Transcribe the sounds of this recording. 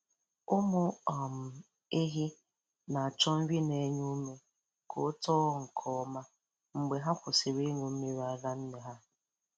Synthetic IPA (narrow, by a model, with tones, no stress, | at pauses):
ʊ˦mʊ˦ɔ˨m̩˨ | e˦ɦi˦ | na˨a˨t͡ʃɔ˦m̩˦wi˦ne˨˦ɲu˦me˦ | kʰo̰˨˦tɔː˦ŋ̩˨kʰɔ˦ma˦ | ŋ͡m̩˨ɡ͡be˨ɦa˦kʷʊ˨sɪ˨ɾi˦ŋu˨m̩˦mi˦ɾa˦ɡa˦n̩˦me˨ɦa˦